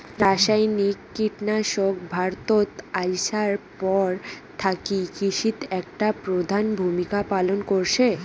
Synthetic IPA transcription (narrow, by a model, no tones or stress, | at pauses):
ɾaʃajnikːiʈnaʃok̚bʱaɾt̪ot̪ajʃaɾpɔɾt̪ʰakikiʃit̪ɛkʈapɾod̪ʱanbʱumikapalonkoɾʃʰe